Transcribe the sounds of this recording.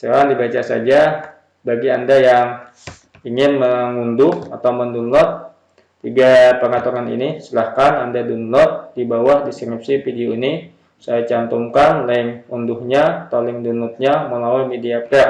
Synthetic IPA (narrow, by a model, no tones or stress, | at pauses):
selandibat͡ʃasad͡ʒa | baɡiandajaŋ | iŋɪnməŋundʊha̰t̪awməndunlɔt̪̚ː | iɡapəŋat̪uŋanḭnisəlahkanandadunlɔt̪̚dibawahdiskɾip̚sifideoini | sajat͡ʃant̪ɔmkanlaɪŋunduhɲat̪alɪŋdunlɔt̪̚ɲaməlawajmediapɛ